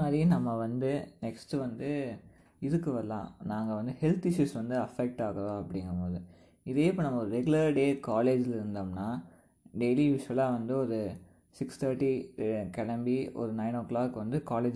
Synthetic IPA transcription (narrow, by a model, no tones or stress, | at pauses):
maːðɾinɐmːɐʋɐnd̪ɯnɛksʈɯʋɐnd̪ɯ | ɪɾɯkːɯʋɐlːã̰ːnaːŋɡɐʋɐnd̪ɯhɛlt̪ɪʃuːsʋɐnd̪ɯɐfɛk̚ʈaːɣɐɾõːɐpːɐɽɪŋɡɐɾɐmoːðɯ | ɪðeːɪpːoːnɐmːɐɔɾɯɾɛɡɯlɐɾɖeːkaːleːd͡ʒlɪɾɯnd̪aːmnaː | ɖɛjlijuːsʋɐlaːʋɐnd̪ɯɔɾɯ | sɪkst̪ʰɐɾʈikɛɽɐmbiɔ̰ɾɯnɐɪnoːkːɭaːkːɯʋɐnd̪ɯkaːleːd͡ʒ